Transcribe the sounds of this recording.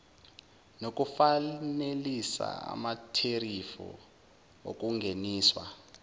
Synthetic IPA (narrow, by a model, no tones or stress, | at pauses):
nok̬ʼufanelisa̰a̰matʰerifṵ | o̰k̬ʼuŋɡʱeniːswa̰